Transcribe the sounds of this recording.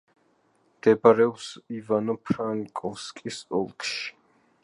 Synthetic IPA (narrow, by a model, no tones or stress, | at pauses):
md̪̥ɛbaɾɛɔpsivanɔpʰɾaŋkʼɔfskʼisɔlˠkʰʼʃi̥